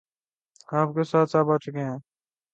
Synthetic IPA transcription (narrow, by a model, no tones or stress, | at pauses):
aːp̚kesaːt̪saːbat͡ʃʊkeɦɛ̃ː